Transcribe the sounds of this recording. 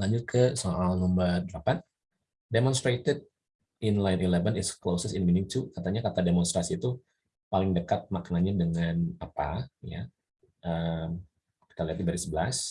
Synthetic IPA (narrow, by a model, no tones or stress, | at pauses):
laɲd͡ʒʊt̪̚kʰəsoʔalnɔmbərdəlapan | demɔnst̪ɾet̪əd̚ | ɪnlajnilɛvənɪsklosəsɪnminɪŋt̪ukat̪aɲakat̪ademɔnst̪ɾasiːt̪u | palɪŋdəkat̪̚maknaɲadəŋanapa̰ja̰ | ʔəm | kaliat̪dibaɾisəbəlas